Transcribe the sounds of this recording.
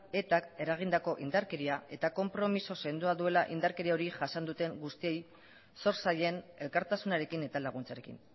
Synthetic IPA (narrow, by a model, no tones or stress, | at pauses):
e̞t̪ake̞ɾaɣ̞ind̪ako̞ʔind̪aɾke̞ɾiae̞t̪ako̞mpɾo̞miso̞se̞nd̪uaðue̞laʔind̪aɾkeɾio̞ɾiʝasand̪ut̪e̞ŋɡust̪ie̞j | so̞ɾsaje̞ne̞lkaɾt̪asunaɾe̞kine̞t̪alaɣ̞unt͡saɾe̞kḭn